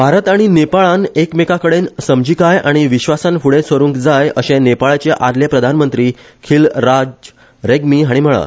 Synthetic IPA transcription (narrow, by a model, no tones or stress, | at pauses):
bʱaɾət̪aɽ̃inepaɭãnekmekakəɽensəmd͡ʑiːkajaɽ̃iʋiɕʋasãnfuɽesʋəɾuːŋkd͡zajəɕẽnepaɭat͡ɕeʔad̪lepɾəd̪ʱanmənt̪ɾiː | kʰilɾad͡ʑ | ɾeɡmiːɦaɽ̃im̤əɭa̰